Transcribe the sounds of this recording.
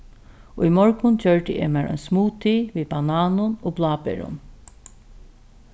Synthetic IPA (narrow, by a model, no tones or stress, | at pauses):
oimɔɹkʊnt͡ɕœɹt̪ɪʔḛːmɛːɹʔɔ̰ʏnsmuːt̪ʰiʋiːbanaːnʊnoːblˠaːpɛ̰ɹʊ̰n